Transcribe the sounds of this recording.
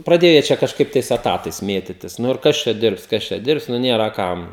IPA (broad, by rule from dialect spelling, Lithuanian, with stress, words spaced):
prɐˈdʲeːjɛ ˈt͡ʃʲɛ kɐʃˈkɐɪp tɐɪs ɛˈtɑːtɐɪs ˈmʲeːtʲɪtʲɪs ˈnʊ ɪr ˈkɐs t͡ʃʲɛ ˈdʲɪrps ˈkɐs t͡ʃʲɛ ˈdʲɪrps ˈnʊ ˈnʲeːrɐ ˈkɐm